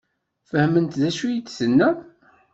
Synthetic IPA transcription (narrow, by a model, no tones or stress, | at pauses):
fəhmənt̪ðæʃujit͡ssənːæ